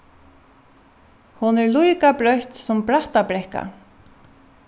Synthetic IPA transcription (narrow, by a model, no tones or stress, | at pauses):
hʊnɛɹlujkapɾœht̪sʊmpɾaht̪apɾɛhka̰